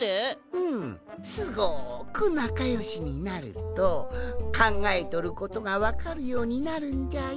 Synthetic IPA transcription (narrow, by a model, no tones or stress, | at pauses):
eɯ̟̃ɴsɨɡokɯ̟nakajo̞ɕiɲ̟inaɾɯ̰t̪okʰãŋɡaet̪o̞ɾɯ̟ko̞t̪o̞ɡaβakaɾɯ̟jo̞ːɲ̟inaɾɯ̟̃ɲd͡ʑa